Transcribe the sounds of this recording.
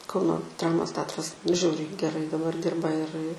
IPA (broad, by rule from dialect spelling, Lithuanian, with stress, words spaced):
ˈkɐʊnoː ˈdrɑːmoːs ˈtʲɛɐtrɐs ˈʒʲɛʊrʲɛɪ ɡʲɛˈrɐɪ dɐˈbɐr ˈdʲɪrbɐ ɪr ɪ